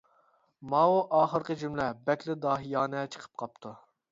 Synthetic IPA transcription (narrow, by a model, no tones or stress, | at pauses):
mɑuʔɑːχəɾqəd͡ʒymlɛbɛkʲlɪd̪ɑːɦijɑːnɛt͡ʃʰə̥qʰə̥p̚qʰɑp̚t̪ʰu